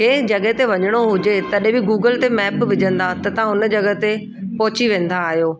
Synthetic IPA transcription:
keːd͡ʑɐɡɦt̪eʋɐɲəɽ̃oɦʊd͡ʑet̪ɐɗɦẽbɪɡuːɡəlt̪emɛːpʋɪd͡ʑə̃nd̪at̪ɐt̪ɐɦãʊnd͡ʑɐɡət̪e | pɔɦʊt͡ɕiʋẽːn̆d̪aːɦijoː

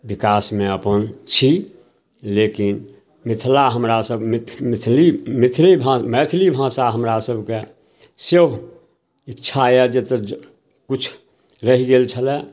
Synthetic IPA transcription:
bɪkaːsmẽəpənt͡ʃʰi | leːkɪn | mɪt̪ʰlaɦəmɾasəbmɪt̪ʰmɪt̪ʰlimɪt̪ʰlibʱãːmɛːt̪ʰlibʱãːsaɦəmɾasəbke | se | ɪtːt͡ʃʰajɛd͡ʒet̪ə | kʊt͡ʃʰ | ɾəɦiɡelt͡ʃʰəlɛ

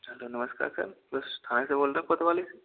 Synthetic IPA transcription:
ɦɛloːnɐməska̰ːɾsɐ̰ɾb̪əst̪ʰaːnẽseboːlɾaɦpɐt̪ʋaːlese

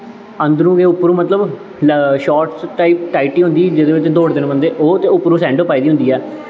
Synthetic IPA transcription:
ənd̪ɾũːɡeːʊpːɾũːmət̪ləb | ʃɔːʈsaːiːpʈaːiʈiːɦʊ̃nd̪iːd͡ʒɪd̪eːʋɪt͡ʃd̪oːɽd̪ɪnbənd̪eːʔoːt̪eːʊpːɾũːsɛ̃ːɳɖoːpːaːiːd̪iːɦʊ̃nd̪iːɛː

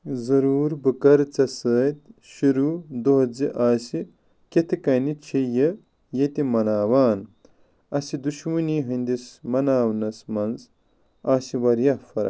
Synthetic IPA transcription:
zɐɾuːɾbɨkɐɾt͡sɐsəːt̪ʃuɾud̪oɦɐd͡ziʔaːsi | ket̪ʰikɐnit͡ʃʰijɐ | jɐt̪imɐnaːwaːn | ɐsid̪uʃmɐniːɦɐnd̪ismɐnaːwnɐsmɐnz | aːsiwɐɾjɐhfɐɾɐ̰

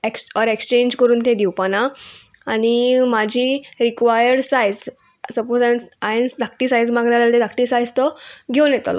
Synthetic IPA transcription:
eksɔɾekst͡ɕẽɲd͡ʑkəɾuːnt̪ẽd̪iwpanaː | nimad͡ʑʱiːɾikʋajəɾɖsajd͡z | səpod͡zanaẽnsd̪ak̚ʈisajd͡zmaɡɾalat̪ed̪akʈisajd͡zt̪ɔɡʱewnɛt̪a̰lɔ̰

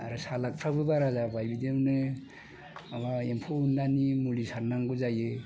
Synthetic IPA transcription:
a̰ɾɯsalak̚pʰɾabɯbaɾazabajbidemnɯ | abaempʰoundanimulisaɾnaŋɡɯzajɯ

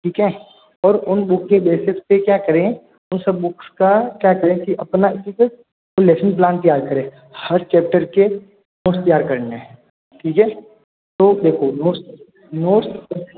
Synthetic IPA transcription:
ʈʰiːkɛː | ɔːɾʊnbʊkʰkebeːsɪkspekjaːkəɾẽ | ʊnsəbːʊkskakjaːkəɾẽkiʔɐpnaɪtɪkə | oleːsənp̬laːnt̪əjaːɾkəɾẽː | hɐɾt͡ʃɛːp̚ʈəɾke | noːst̪jaːɾkɐɾneɛ̃ | ʈʰiːkɛː | t̪oːd̪eːkʰonoːɾs | noːɾs

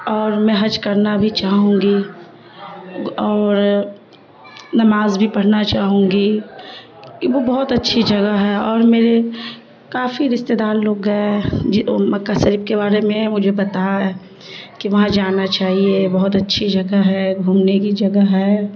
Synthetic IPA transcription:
ɔːɾmɛ̃ɦɐd͡ʒkɐɾnabʱit͡ʃaːɦũŋɡi | ɔːɾ | nɐmaːzbʱipɐɽ̤nat͡ʃaːɦũːŋɡi | kiʋobɐɦʊt̪ɐtːʃʰid͡ʒɐɡəɦɛɔːɾmeːɾe | kaːfiɾɪst̪ed̪aːlːoːɡːəed͡ʒmɐkːasəɾipkebaːɾemẽmʊd͡ʒʱebɐt̪aɦɛ | kiʋɐɦãd͡ʒaːnat͡ʃaːɦiebɐɦʊt̪ɐtːʃʰid͡ʒɐɡəɦɛɡʱuːmnekid͡ʒɐɡəɦɛ

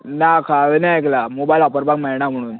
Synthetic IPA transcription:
nakʰaʋenaek̬lamobailapəɾbakmɛɭnam̤əɽ̃uːn

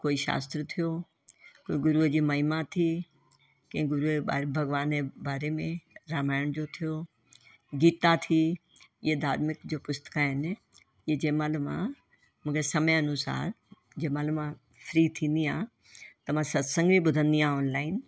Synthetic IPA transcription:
koːiʃa̰ːst̪ɾət̪ʰijo | koːĩɡʊɾud͡ʑiːmɐimat̪ʰi | kɐ̃ɪ̃ɡʊɾuːbʱɐɡʋaːnebaːɾemẽɾaːmaːɪɽ̃d͡ʑot̪ʰijo | ɡiːt̪at̪ʰi | ɪɦed̪aːd̪mɪkd͡ʑoːpʊst̪ə̥kaːɪn | ɪed͡ʑɐɦmãːlmã̰ | mũːkesɐmjɐnʊsa̰ːɾ | d͡ʑɐmãːlɪmã | fɾit̪ʰĩːnd̪iaː | t̪ɐm̤ãsɐd̪sɐ̃ŋɡmĩɓʊd̪ʱə̃nd̪iãːɔːnlaːɪn

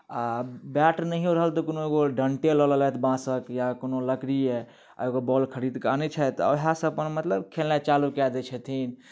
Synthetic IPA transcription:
abɛʈɾnəɦioɾəɦəlt̪ɔkonoeɡoɖəɳʈelɔləlɛt̪ʰbãsəkjakonoləkɾie | eɡobɔlkʰəɾid̪kanɛt͡ʃʰɛt̪ɔ̰ɦãsə̃əpənmət̪ləbkʰelnat͡ʃalukɛd̪ɛt͡ʃʰɛt̪ʰin

